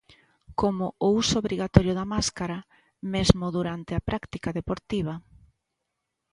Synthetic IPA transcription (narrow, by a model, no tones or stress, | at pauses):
komʊousʊoβɾiɣat̪ɔɾjʊðɐmaskaɾɐ | mezmʊðuɾant̪eapɾʔakt̪ikaðepoɾt̪iβ̞ɐ